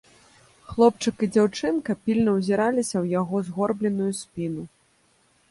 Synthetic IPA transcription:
xlˠɔp̚t͡ʂɨkid͡zʲawt͡ʂɨnkɐpʲilʲnɐwzʲiɾalʲisʲɐwjaɣɔzɣɔrblʲɛnujusʲpʲinu

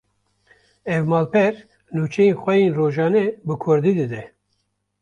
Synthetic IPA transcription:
ɛvmɑːlpʰɛɾ | nuːt͡ʃʰɛjeːnxʷɛjeːnroːʒɑːnɛbɨkʰʊɾd̪iːd̪ɨd̪ɛ

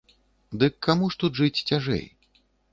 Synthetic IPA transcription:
d̪ɨkʰːamuʂt̪ut̪ʐɨt͡sʲt͡sʲaʐɛ̰j

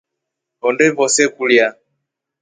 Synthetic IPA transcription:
ɔndɛβɔsɛkulja

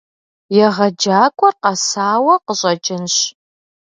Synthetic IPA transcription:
jɛʁɐd͡ʒaːkʷʼɔrqɑsaːwɐqəɕʼɐt͡ʃʼɪnɕ

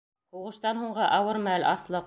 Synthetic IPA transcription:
huʁɤ̆ʃt̪ɑnɦuɴɢɤʔɑwɤɾmælʔɑslˠɤq

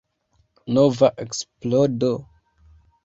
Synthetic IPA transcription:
novaʔeksplodo

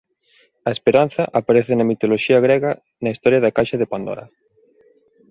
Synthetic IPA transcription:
ɐespeɾan̟θɐʔapaɾeθɪnɐmit̪oloʃiɐɣɾeɣɐ | nɐist̪ɔɾjaðɐkajʃɐðepand̪o̰ɾɐ̰

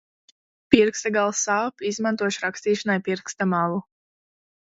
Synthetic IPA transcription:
piɾkst̪aɡalˠsaːpizmant̪uɔʃɾakst̪iːʃanajpiɾkst̪amalu

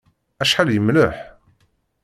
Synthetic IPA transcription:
æʃħaljəmləħ

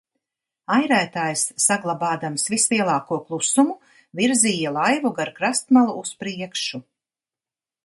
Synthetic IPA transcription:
ajɾæːt̪aːjsːaɡlˠabaːd̪amsvisliɛlˠɑːkuɔklˠusumu | viɾziːjalˠajvuɡaɾkɾast̪malˠuːspɾiɛkʃu

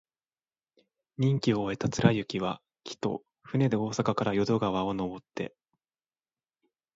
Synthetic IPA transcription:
ɲ̟ĩŋkʲio̞ːe̞t̪at͡sɨɾajɯ̟kʲiβa | kʲʰi̥t̪o̞̰ | ɸɯ̟ne̞d̪e̞o̞ːsakakaɾajo̞d̪o̞ɡaβ̞ao̞no̞bo̞t̪ːe̞̰

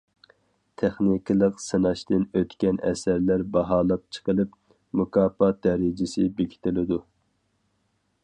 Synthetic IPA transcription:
t̪ʰɛχnikʲʰilˠəqsɨnɑʃt̪ɨnøt̪kʲɛnɛ̰sæɾlæɾbɑɦɑːlˠɑp̚t͡ʃʰə̥qʰəlˠɨp | mukʰɑːpɑd̪̥ɛɾɪd͡ʒɪsɪbekʲʰi̥t̪ʰɪlɪd̪u

